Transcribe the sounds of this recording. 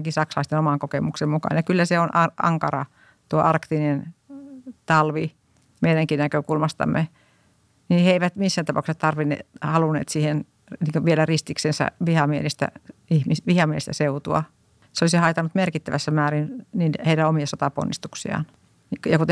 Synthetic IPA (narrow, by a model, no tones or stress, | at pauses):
ɑkisɑksɑlɑist̪enomɑŋkokemuksemmukɑ̰njɑkylːæseonʔɑʔɑ̰ŋkɑrɑ̰ | t̪uoʔɑrkt̪inen | t̪ɑlʋi | meiɾæŋkinækøkulmɑst̪ɑ̰mːe | niheeiʋæt̪misːænt̪ɑpɑˑuksett̪ɑrʋinːḛhɑlunːḛːt̪siːhen | niːŋkoʋielærist̪iksensæ̰ʋihɑmielest̪æ̰ihmisʋihɑmielest̪æseut̪uɑ̰ | seolisihɑit̪ɑnːˑut̪merkit̪ːæʋæsːæmæːrinniːnheiɾæomiɑsot̪ɑpo̰nːist̪uksḭɑ̰n | kjɑkut̪